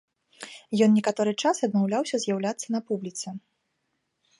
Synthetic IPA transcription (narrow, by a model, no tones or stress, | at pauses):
jɔnːnʲɛkat̪ɔɾɨt͡ʂasɐd̪mawlʲawsʲɐzʲjawlʲat̪sːɐnɐpublʲit̪sɐ